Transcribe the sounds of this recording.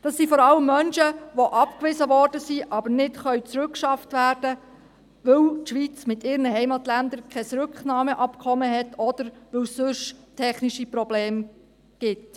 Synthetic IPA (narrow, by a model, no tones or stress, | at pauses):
d̥ɑsːifɔɾɑləmːœnʃəʋoʔɑpkʋɪzəʋɔrd̥əsiʔɑbəɾnɪtχœɥt͡sɾʉkʃɑftʋæːɾd̥ə | ʋɵwtʃʋit͡smɪtɪːɾnəɦɛɪmɑt̪lænd̪əɾkʰχɛsɾʉkχnɑːməʔɑpkʰɔməɦɛtʰɔd̥əɾʋɵwsːʏʃtʰɛχniʃipɾɔbleːm | ɡ̥ɪt